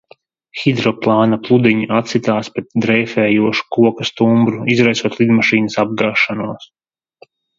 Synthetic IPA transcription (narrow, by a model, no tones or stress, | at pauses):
xid̪ɾɔplˠɑːnaplˠud̪iɲiʔat̪sit̪aːspɾɛt̪̚d̪ɾɛjfɛːjuɔʃu̥kuɔkast̪umbɾuizɾajsuɔt̪lˠid̪maʃiːnəsab̚ɡaːʃanuɔs